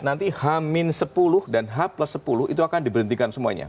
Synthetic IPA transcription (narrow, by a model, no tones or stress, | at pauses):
nant̪ihamɪnsəpulʊhdanɦaplasəpulʊhḭt̪uakandibəɾənt̪ikansəmua̰ɲa̰